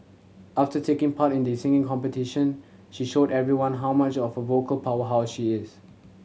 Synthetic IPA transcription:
ʔaftətʰekɪ̃ŋpʰatɪ̃ndisɪ̃ŋɪ̃ŋkɔ̃mpətɪʃə̃n | ʃiʃodɛvɹiwãnɦawmat͡ʃɔfhəvokəlpʰawəɦaʊsʃiɪs

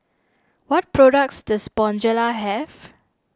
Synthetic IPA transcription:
wɔt̚pɹodak̚sdəsbɔ̃nd͡ʒəlaɦɛv

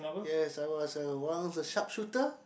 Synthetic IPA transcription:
jɛsawɔsəwãnɔsəʃap̚ʃutə

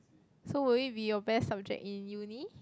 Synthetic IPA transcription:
sowiibijɔbɛsːap̚d͡ʒɛ̰k̚ĩnjuni

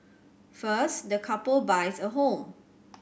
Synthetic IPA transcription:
fəsdəkʰapəlbajsəɦõm

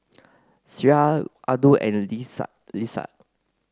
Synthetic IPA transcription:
siɹaʔaduʔɛ̰̃n̰ | lisa̰t

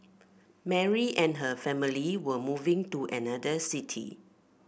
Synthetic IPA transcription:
mɛɹiʔɛ̃nɦəfɛmiliwəmuvɪ̃ŋtuʔɛ̰nadəsitʰḭ

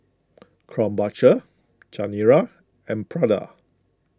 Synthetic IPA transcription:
kʰɹɔ̃mbat͡ʃə | t͡ʃaniɹa | ɛ̃npʰɹada̰

